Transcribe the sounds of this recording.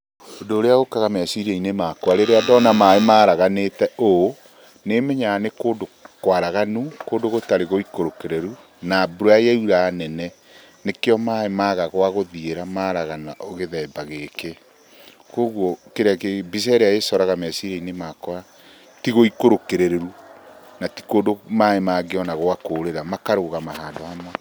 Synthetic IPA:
odoːɾeaɣokaɣamɛsiɾiɛinemakwaɾeɾeadɔnamaemaːɾaɣanetɛo | nemeɲanekoːdokwaɾaɣanukoːdoɣotaɾeɣoikoɾokeɾeɾu | nabuɾajɛuɾaːnɛnɛ | nekeɔmaemaɣaɣwaɣoðieɾamaɾaɣanaʔɔɣeðɛːbaɣeke | koɣwɔkeɾeakebis̬ɛɾeaesɔɾaɣamɛsiɾɛinemakɔa | tiɣoikoɾokeɾeɾeɾunati̥koːndomaemaɡeɔnaɣoakoːɾeɾamakaɾoɣamaɦaːdɔhamwa

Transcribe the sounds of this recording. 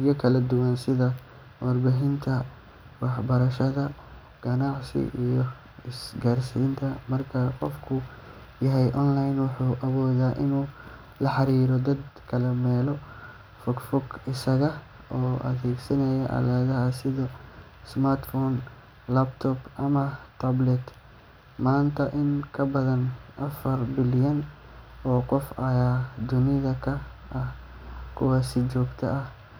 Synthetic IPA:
jɐkʰɐlɐd̪ʊwɐnsɪðɐ | wɐrbaɦɪnt̪ʰɐ | wɑħbɐɾɐʃɐðɐ | ɡ̥ɐnɑʕsɪ̰ʔijɔ | ɪsɡaːrsiːnt̪ʰɐmɐrkʰɐqɔfkʰʊ | jɐɦɛjʔɔnlajnwʊħuːʔɐβɔːðaːʔɪnuː | lɐħɑɾiːɾɔd̪ɐd̪kʰɐlɛmɛːlɔ | fʊɡfʊɡɪsɐɣɐ | ɔːʔɐ̰ðɛːɡsɐnɛjɐʔɐ̰laðɐɦɐsɪðɔː | smart̪fɔːn | lɐbt̪ʰɔbʔɐmɐt̪ʰɐblɛt̪ | maːnt̪ʰɐʔɪŋkʰɐbɐðɐnʔɐfɐrbɪljɐn | ʔɔːqɔfʔɐjaːd̪ʊnɪðɐkʰɐ | ʔɐhkʰʊ̰waːsɪt͡ʃɔːɡt̪ʰɐ̰ʔɐh

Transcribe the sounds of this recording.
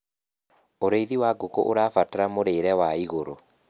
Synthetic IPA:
oɾeiðiwaɡoko̰ʔoɾaːfataɾamoɾeːɾɛwaiɣoɾo

